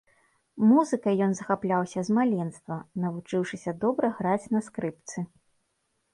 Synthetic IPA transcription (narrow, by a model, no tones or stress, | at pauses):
muzɨkɐjjɔnzɐxaplʲawsʲɐzmalʲɛnst̪vɐnɐvut͡ʂɨwʂɨsʲɐd̪ɔbɾɐɣɾat͡sʲnɐskɾɨp̚t̪sɨ